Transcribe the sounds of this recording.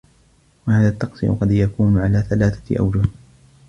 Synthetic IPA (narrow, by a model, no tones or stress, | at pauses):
wahaːðaːt̪ːɑqsˤḭʔqɑd̪jakuːnʊʕalaːθalaːθḁ̰ʔa̰wd͡ʒʊh